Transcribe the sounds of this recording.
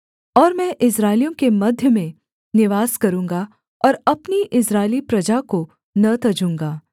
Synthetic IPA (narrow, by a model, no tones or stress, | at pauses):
ɔːɾmɛ̃ʔɪsɾaːɪljõkemɐd̪ʱjəmẽ | nɪʋaːskɐɾũːŋɡa | ɔːɾɐpniʔɪsɾaːɪlipɾɐd͡ʒako | nɐt̪ɐd͡ʒũːŋɡaː